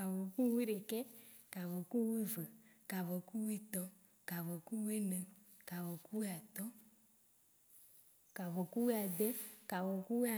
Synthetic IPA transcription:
ka˨vo˨ku˦wi˦ɖe˨kɛ˦ | ka˨vɔ˨ku˦wi˦və˨ka˨vɔ˨ku˦wi˦t̪ɔ˦ | ka˨vɔ˨ku˦wi˦nɛ̃˨ | ka˨vɔ˨ku˦wi˦a˨t̪ɔ˦ | ka˨vɔ˨ku˦wi˦a˨d̪e˦ka˨vɔ˨ku˦wi˦a˨

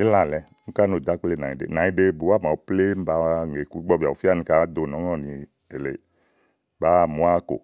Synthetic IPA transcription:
i˦la˦˨lɛ˨˧ | ŋu˦ka˦no˨da˨˦k͡ple˦˨nã˨i˨dḛ˨na˨˦i˦de˧bu˨˦a˦˨ma˨u˨˦ple˦m̩˦ba˨˦˨ŋe˨ku˨˦ɡ͡bɔ˦˧bi˨a˨u˨fi˦a˦˨nĩ˧ka˦do˧˨nɔ˨˦ŋɔ˦˨ni˧ | e˨le˨ | ba˨˦˨mu˨˦a˦ko̰˨

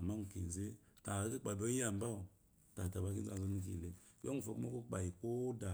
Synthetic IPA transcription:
a˨ma˦ŋ̩u˨ki˨n˨ze˦ | ta˨˦ki˦k͡pa˨bo˦a˨m̩˦ba˦u˨ | ta˨ta˨ba˧˦ki˦a̰˦˨zo˧˦nu˦k̬ḭ˨le˨ | jo˦ŋu˨fo˨ku˦ma˦ko˦k͡pa˨ji˨ko˦da˨

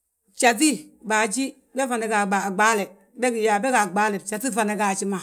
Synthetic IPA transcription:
t͡ʃa˨t̬i˦ba˨d͡ʒi˦ | be˦fa˨ne˨ɡa˨ɡ͡ba˨ɡ͡ba˦le˨ | be˦ɡi˨ja˨be˦ɡa˨ɡ͡ba˦le˨t͡ʃa˨ti˦fa˨ne˨ɡa˨t͡ʃi˦ma˨

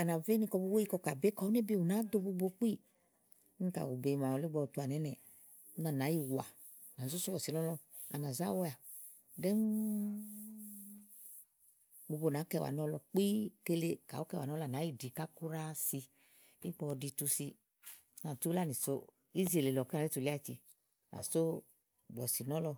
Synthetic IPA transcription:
a˨na˨ve˦ni˧kɔ˧bo˧˦we˦i˧kɔ˧ka˨be˦kɔ˨˦u˦ne˦bi˦˨u˨na˨˦d̪o˧bo˧bo˧k͡pi˦˨˦ | i˦ka̰˨wu˨be˨˧˨ma˨ɔ˨˧li˦ɡ͡bɔ˧˨tu˧˨a˨nɛ˨˦nɛ˨˦ | na˨na˨˦ji˦˨wa˨ | na˨˦zu˦su˦wɔ˨si˨˦ɔ˦lɔ˧ | a̰˨na˨za̰˦wɔ˦ja˨ | dɛ˦m | bo˧bo˧˨na˨˦kɛ˧˨wa̰˨nɔ˦lɔ˧k͡pi˦ke˧le˧ka̰˨wo˦kɛ˧˨wa˨n˦ɔ˦la˨na˨˦ji˦di˨ka˦ku˦ɾa˦si˧ | i˦ɡ͡bɔ˧di˧tu˧si˧ | na˨tu˦la˦ni˨so˦ | i˦zi˨˦e˨le˨lɔ˨ka˨i˦tu˨li˦a˦˨t͡ʃḭ˧ | na̰˨so˦ | ɡ͡bɔ˨si˨nɔ˦lɔ˧

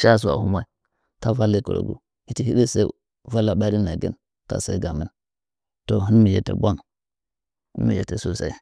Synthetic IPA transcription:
ʃa˦˨s̬u˨a̰˨hu˦ma˦i˦ | ta˦va˦lːi˦ko̰˨ɾo̰˨ɡṵ˦ | hi˦ti˦hi˦ɗi˦sa˦i˦ | va˦la˨ɓa˦ɾi˦na˨ɡḭ˦n | ka̰˨sa̰˦i˦ɡa˨mi˦n | to˨ɦi˦nmi˨jḛ˨tḛ˨bʷa˦ŋ | ḭ˦nmḭ˨jḛ˨te˨su˦sa̰˦i˦

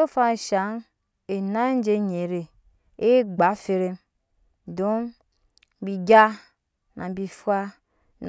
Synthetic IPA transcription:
o˦fa˦n˨ʃa˨˦ŋ | e˨na˦n̩˦d͡ʒe˦ɲe˨ɾe˨ | e˦ɡ͡ba˨˦fe˦ɾe˦m | do˦m˦ | bi˨ɡa˦ | na̰˨bi˨fa˦ | n

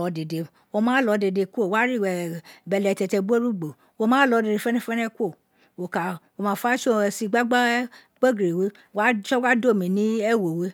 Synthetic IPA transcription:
ɔ˧de˨de˨ | wo˧mãː˨˦lɔ˨˧de˧de˧kʷo˦˨wa˦ɾi˦˨wɛ˨bɛ˧lɛ˨tɛ˧tɛ˧ɡ͡bo˦ɾu˦ɡ͡bo˨ | wo˧mãː˦lɔ˨˧de˧de˧fɛ˦nɛ̃˦fɛ˦nɛ̃˦kʷo˦˨ | wo˨ka˨wo˧mã˨˧˦fa˦ʃo˦˧si˧ɡ͡ba˦ɡ͡ba˦ | k͡pe˦ɡɾe˨we˨˦wa˦ʃɔ˦wa˦do˦˨mĩ˨˦nĩ˦ɛ˦˨wo˨we˨˦

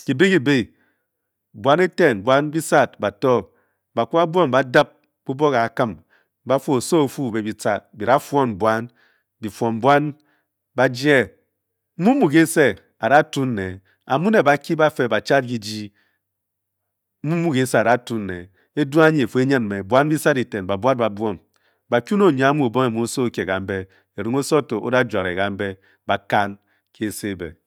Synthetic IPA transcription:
ki˨be˦ki˨be˦ | bwa˦ne˦te˦˨n˨bwa˦n˦bi˦sa˦t̚ba˨tɔ˦ | ba˨kʷu˦a˦bwo˦m˨ba˦da˦p̚ | b̥u˦bo˦ka˨kɨ˦m | ba˦fu˦o˨so˦o˨fu˦˨be˨bi˨t͡sa˨bi˨ɾa˦fɔ˦n˨bwa˦n | bi˨fɔ˨m˨bwa˦n | ba˦d͡ʒe˦ | mu˦mu˨ke˦se˦ | a˨ɾa˦tu˦n̩ː˦e˨ | a˨mu˦ne˨ba˨ki˦ba˦fe˨ba˨t͡ʃa˦t̚ɡi˦d͡ʒi˦ | m̩˦mu˦mu˦ke˦se˦a˨da˦tu˦nːe˨ | e˦du˦a˦ɲi˨e˨fo˨˦e˦ɲa˦nme˨bwa˦nbi˦sa˦di˨te˨nba˨bwa˦t̚ba˨bɔ˦m | ba˨kʲu˦no˦˨ɲa˨˦a˦mu˦o˨bo˦ŋe˨mu˨o˦so˦ke˨ka˨m̩˦be˦ | e˨ɾi˨ŋo˦so˦˨to˨ʔo̰˦da˦d͡ʒwa˨ɾe˨ka˨m̩˦be˦ | ba˨ka˦n | ke˦˨se˦˨bḛ˨

